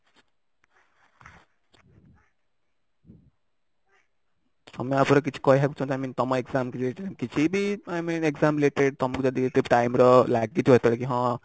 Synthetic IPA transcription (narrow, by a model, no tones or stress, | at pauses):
ʌmiapʰuɾʌk̬it͡sʰi̥kʌjɦakut͡sʰʌ̃w̃t̪amint̪ʌmʌ̃ekd͡zamkit͡sʰileʈemkit͡sʰibiajminekd͡zamileʈeɖ̚t̪ʌmɔkud͡zʌd̪ikʰit̪epʈajmɾʌlaɡit̪ʰiɦʌt̪ʌɽkiɦʌ̃